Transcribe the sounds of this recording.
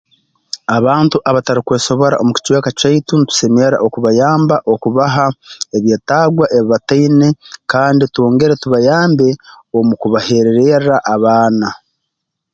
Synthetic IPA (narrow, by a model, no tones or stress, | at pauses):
aβaːntuʔaβataɾikwe̞ːso̞βo̞ɾa̰ʔo̞muci̥cweːkacaitunitu̥se̞meɾa̰ʔo̞kuβajaːmbaʔo̞kuβaɦae̞βje̞ːtaːɡwaʔe̞βiβatainekaːnditwo̞ːŋɡe̞ɾetuβajaːmbe̞ | o̞mukuβahe̞ɾe̞ɾeɾaʔaβaːna